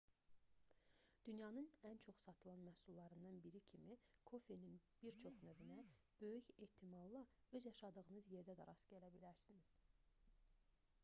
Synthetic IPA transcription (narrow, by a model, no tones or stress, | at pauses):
d̪̥ynjɑnɯnænt͡ʃʰo̞χsɑt̪ʰɯlˠɑnmæsulˠːɑɾɯnd̪ɑnbiɾicʰimikʰo̞feninb̥iɾt͡ʃʰo̞χnø̞vynæ | b̥ø̞jyçe̞ht̪ʰimɑlˠlːˠɑø̞zjɑʃɑd̪ɯɣɯnɯzje̞ɾd̪æd̪ɛɾɑsɟælæbilæɾsiniz̥